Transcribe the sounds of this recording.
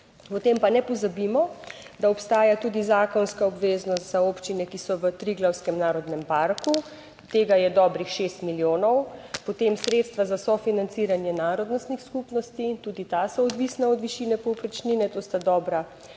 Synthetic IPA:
ɔt̪empanɛpɔzabimɔ | d̪aɔpst̪aːjat̪uːd̪izaːkɔnskaɔbʋeːznɔst̪zaoːpt͡ʃinɛkisɔʋət̪ɾiɡlawskɛmnaːɾɔd̪nɛmpaɾku | t̪eːɡajɛd̪ɔːbɾixʃest̪miljoːnɔwpɔt̪emsɾeːt̪st̪ʋazasɔfinant̪siːɾanjɛnaːɾɔd̪nɔst̪nixskupnɔst̪it̪uːd̪it̪asɔːd̪ʋiːsnaɔd̪ʋiʃiːnɛpɔwpɾɛt͡ʃninɛt̪ost̪ad̪ɔːbɾa

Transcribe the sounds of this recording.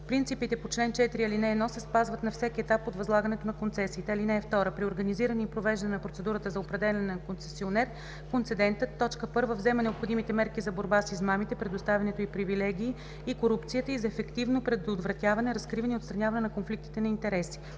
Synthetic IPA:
pɾint̪sipit̪ɛpot͡ʃlɛnt͡ʃɛt̪ɾiɐlinɛɛnɔsɛspazvət̪nɐfsɛkʲiɛt̪apot̪vɐzlˠaɡənɛt̪onɐkont̪sɛsiːt̪ɛlinɛːft̪ɔɾəpɾioɾɡəniziɾəniːpɾovɛʒd̪ɐnɛnɐpɾot̪sɛd̪uɾət̪əzɐopɾɛd̪ɛlʲɛnɛkont̪sɛ̥sionɛɾ | kont̪sɛd̪ɛnt̪ət̪ːɔt͡ʃkəpɤɾvəvzɛmɛnɛopxod̪imit̪ɛmɛɾkizɐboɾbasizmamit̪ɛpɾɛd̪ost̪avʲɛnɛt̪oipɾivilɛɡʲiː | ikoɾupt̪sijət̪əizɐɛfɛkt̪ivnopɾɛd̪od̪vɾɐt̪ʲjavɐnɛɾɐskɾivəniot̪st̪ɾɐnʲjavɐnɛnɐkonflik̚t̪i̥t̪ɛnɐint̪ɛɾɛsi̥

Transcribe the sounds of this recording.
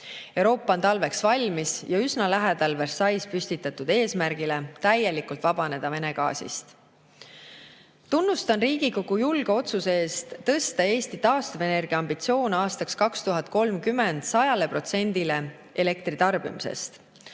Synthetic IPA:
e̞wɾo̞ːpːˑɑo̞nt̪ɑlve̞ksvɑlʲmisjɑysnɑlæɦed̪̥ɑlversɑjspysʲt̪it̪ːˑɑt̪ːud̪̥e̞ːsmærɡ̥ile̞t̪æje̞likult̪vɑb̥ɑne̞d̪̥ɑve̞ne̞ɡɑ̰ːsḭst̪ | t̪unːust̪ɑnriːɡ̥iko̞ɡ̥ujulɡ̥e̞o̞t̪suseeːst̪ːɤ̞st̪ɑeːst̪it̪ɑːst̪uve̞ne̞rɡ̥iɑmbit̪sio̞ːnɑːst̪ɑkskɑkst̪uɦɑt̪̚ko̞lmkyme̞nd̪̥sɑjɑle̞pro̞t̪se̞nʲd̪ile̞ | e̞le̞kt̪rit̪ɑrb̥ḭmisḛst̪

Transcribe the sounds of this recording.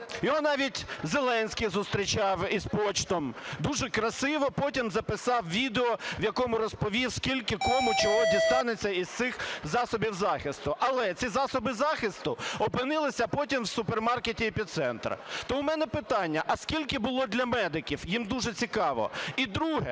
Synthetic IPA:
jɔɦɔnɑʋʲitʲzelˠɛnʲsʲkɪzʊst̪ɾʲit͡ʃɑwispɔt͡ʃt̪ɔmd̪uʒɛkɾɐsɪʋɔpɔtʲimzɐpɪsɑwʋʲid̪eɔwjɐkɔmʊɾɔspɔʋʲiwskʲilʲkɪkɔmʊt͡ʃɔɦɔdʲist̪ɑnet͡sʲːɐizt̪sɪxzɑsɔbʲiwzɑxɪst̪ʊʔɐlˠɛt͡sʲizɑsɔbɪzɑxɪst̪ʊɔpɪnɪlˠɪsʲɐpɔtʲimwsʊpermɑrketʲiepʲit̪sɛnt̪ɾɐ̰t̪ɔʊmɛnɛpɪt̪ɑnʲːɐʔɐskʲilʲkɪbʊlˠɔd̪lʲɐmɛd̪ɪkʲiwjimd̪uʒɛt͡sʲikɑʋɔ̰id̪ɾuɦɛ

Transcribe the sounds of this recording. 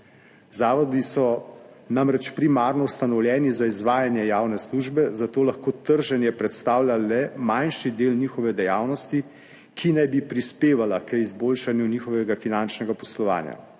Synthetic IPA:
zaːʋɔd̪isɔ | namɾɛt͡ʃpɾimaːɾnɔwst̪anɔwljɛːnizaizʋaːjanjɛjaːwnɛsluʒbɛzat̪oːlaxkoːt̪əɾʒɛnjɛpɾɛt̪st̪aːwljalɛmajnʃid̪eːlnixɔʋɛd̪ɛjaːwnɔst̪i | kʰinɛjbipɾispeːʋalakəizboːlʃanjuniːxɔʋɛɡafinant͡ʃnɛɡapɔslɔʋa̰ːnja̰

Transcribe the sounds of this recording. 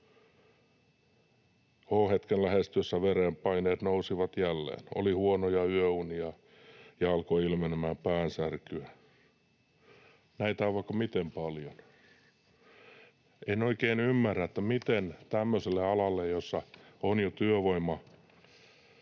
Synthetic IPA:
oːhet̪kenlæhest̪ysːæʋereːmpɑineːt̪nousiʋɑt̪jælːḛːno̰lihuonojɑyøuniɑ | jɑɑlkoilmenemæːmpæːnsærkyæ | næit̪ɑʋɑkːɑmit̪empɑljon | enoikeːnymːærːæet̪ːæmit̪ent̪æmːøselːeɑlɑlːejjosːɑonjot̪yøʋoimːɑ

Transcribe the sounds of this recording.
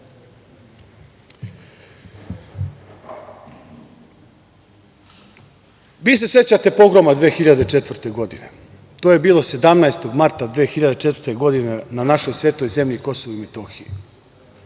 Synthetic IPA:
ʋiːs̬e̞se̞t͡ɕat̪e̞po̞ɡɾo̞mad̪ʋeːxiʎad̪et͡ʃe̞t̪ʋr̩t̪e̞ɡo̞d̪ine̞̰ | t̪oːje̞biːlˠo̞se̞d̪amnaest̪o̞ɡmaɾt̪ad̪ʋeːxiʎad̪e̞t͡ʃet̪vrɾt̪e̞ɡo̞d̪inenanaʃo̞jsʋe̞ːt̪o̞jze̞mʎiko̞soʋoimet̪o̞ːxiji

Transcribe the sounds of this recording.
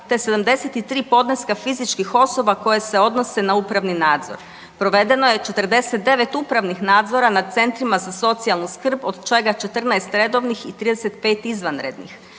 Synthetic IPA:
t̪ese̞d̪amd̪eset̪it̪ɾiːpo̞d̪neskafizit͡ʃkixo̞so̞bako̞jese̞o̞d̪no̞se̞nauːpɾaʋninaːd̪zo̞̰ɾ | pɾo̞ʋe̞d̪e̞no̞je̞t͡ʃe̞t̪rd̪e̞set̪̚d̪e̞ʋe̞t̪upɾaʋnixnaːd̪zo̞ɾanad̪̚t̪se̞nt̪ɾimazaso̞t̪sialˠnuskr̩bod̪t͡ʃe̞ɡat͡ʃe̞t̪r̩naest̪ɾe̞d̪o̞ʋnixit̪ɾiːd̪eset̪̚pe̞ːt̪izʋanɾe̞d̪nḭx

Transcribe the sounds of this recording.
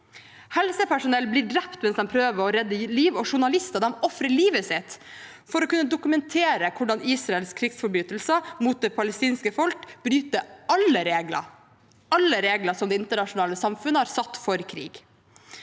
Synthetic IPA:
hɛlsəpʰæʂʊnɛlbliːɖɾɛpt̪mɛnsd̪ɛnpʰɾøːʋəɾɔɾɛd̪ːəliːʋɔʂʊɳɑlɪst̪ɑd̪ɛmɔfɾəɭiːʋəsɪt̪ | fɔɾɔkʉnːəd̪ʊkʉmɛnt̪ʰeːɾəkʰʊɖɑniːsɾɑɛlskʰɾɪɡsfɔɾbyːt̪l̩səmuːt̪̚d̪ɛːpʰɑləst̪iːnskəfɔlkb̥ɾyːt̪əɑlːəɾeːɡlə̰ | ɑlːəɾeːɡləsɔmd̪ɛːɪnt̪əɳɑʂʊnɑːləsɑmfʉnəhɑːɾsɑt̪ːfɔɾkʰɾḭːɡ

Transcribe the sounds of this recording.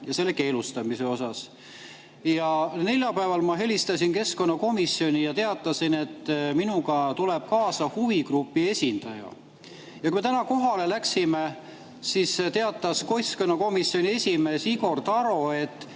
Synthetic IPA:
jɑse̞lːe̞ke̞ːlust̪ɑmise̞o̞sɑs | jɑne̞lʲjɑpæevɑlmɑɦe̞lʲist̪ɑsinke̞sko̞nːɑko̞misːio̞nʲijɑt̪e̞ɑt̪ːˑɑsine̞t̪ːminuɡɑt̪ule̞b̥̚kɑːsɑhuvikrupːie̞sʲind̪̥ɑjɑ̰ | jɑkumet̪ænɑko̞ɦɑle̞læksime̞ | sist̪e̞ɑt̪ːˑɑsko̞sko̞nːɑko̞misːio̞nʲie̞sʲime̞ːsiɡ̥o̞rt̪ɑɾo̞e̞t̪ˑː

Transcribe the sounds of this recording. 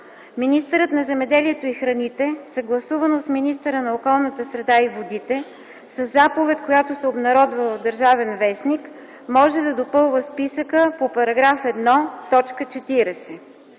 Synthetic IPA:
minist̪əɾət̪nɐzɛmɛd̪ɛliɛt̪oixɾɐnit̪ɛsɐɡlˠɐsuvənosminist̪əɾənɐokɔlˠnət̪əsɾɛd̪aivod̪it̪ɛ | səzːapovɛt̪kojat̪osɛobnɐɾɔd̪vəlˠd̪əɾʒavɛnvɛsnik | mɔʒɛd̪ɐd̪opɤlˠvəspisəkəpopɐɾɐɡɾafɛd̪nɔt̪ɔt͡ʃkət͡ʃɛt̪iɾɛsɛ

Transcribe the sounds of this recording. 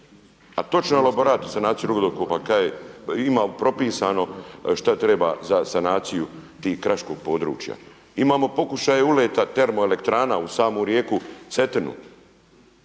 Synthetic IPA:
at̪o̞t͡ʃnoelaboɾaːt̪osanaːt̪sijuɾuɡod̪oɾkoːpakajeimaːpɾo̞piːsaːno̞ʃt̪at̪ɾe̞baːzasanaːt̪sijut̪iːhkːɾaʃko̞ːɡ̥̚po̞ːd̪ɾṵːt͡ʃja̰ | imaːmo̞po̞kuʃaːjeuleːt̪at̪e̞ɾmoele̞kt̪ɾaːnausaːmoːɾjeːkut̪set̪enṵ

